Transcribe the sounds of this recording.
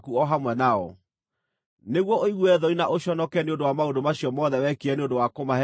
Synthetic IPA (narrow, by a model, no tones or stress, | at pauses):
kuɔɦamwɛnaɔ̰ | neɣwɔʔoiɣwɛðɔinaʔoɕɔnɔkɛneondowamaondomaɕiɔmɔðɛwɛkeɛneondowakomahɛ